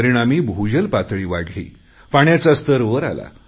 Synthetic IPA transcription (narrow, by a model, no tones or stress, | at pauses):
ɾiɽ̃amiːbʱud͡ʑəlpat̪ɭiːʋaɡʱɭḭː | faɳjat͡sast̪əɾʋəɾa̰la̰